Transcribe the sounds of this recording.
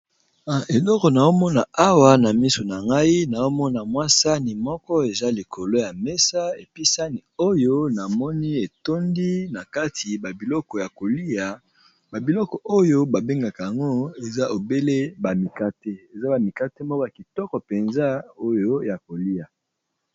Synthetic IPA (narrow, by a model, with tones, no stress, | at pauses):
a˨ʔe˨lɔ˦kɔ˨na˨o˦mɔ˦na˨a˦wa˨na˨mi˦so˨na˨ŋɡa˦i˦na˨o˦mɔ˦na˨mwa˦sa˦ni˨mɔ˦kɔ˦e˨za˦li˨kʰo˨lo˦ja˨mɛ˦sa˦e˨pi˦sa˦ni˨o˦jo˦na˨mɔ˦ni˦e˨to˦ndi˦na˨ka˦tʰi˨ba˨bi˨lɔ˦kɔ˨ja˨ko˨li˦a˨ | ba˨bi˨lɔ˦kɔ˨ʔo˦jo˦ba˨be˦ŋɡa˨ka˨ja˨ŋɡo˦e˨za˦ʔo˨be˦le˦ba˨mi˨ka˦teɛ˦e˨za˦ba˨mi˨ka˦te˦mɔ˦kɔ˦ja˨ki˨tɔ˦kɔ˨pe˨nza˦o˦jo˦ja˨ko˨li˦ja˨